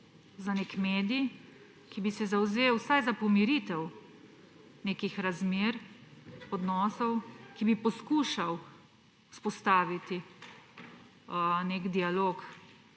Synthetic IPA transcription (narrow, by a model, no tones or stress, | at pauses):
zanekmeːd̪i | kibisɛzawzewsajzapɔmiɾit̪ɛw | neːkixɾazmeːɾ | ɔd̪nɔːsɔwkibipɔskuʃaw | uspɔst̪aːʋit̪i | nekd̪ialoːk